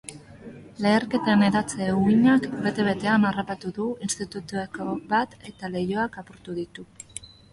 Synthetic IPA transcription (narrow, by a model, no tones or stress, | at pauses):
le̞ːɾke̞t̪aene̞ðat͡seɣuiɲakbe̞t̪e̞βe̞t̪e̞anarapat̪uðuinst̪it̪ut̪uekobat̪e̞t̪ale̞jo̞akapo̞ɾt̪uðit̪u